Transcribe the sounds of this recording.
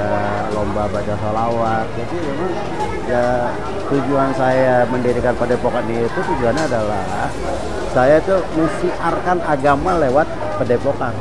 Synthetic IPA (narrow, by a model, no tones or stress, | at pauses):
lombabat͡ʃasolawat̪̚d͡ʒadimemaŋ | ja | t̪ud͡ʒuansajaməndiɾikanpədepokanniit̪ut̪ud͡ʒuanɲaːdala | h | sajat̪uhməsiʔarkanaɡamalewat̪̚ | pədepokan